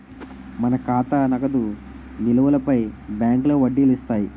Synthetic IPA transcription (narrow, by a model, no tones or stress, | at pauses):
mɐnɐkaːt̪anɐɡɐd̪u | nilɐʋɐlɐpɐjbjaːŋklɐːʋɐɖːiːlist̪aːji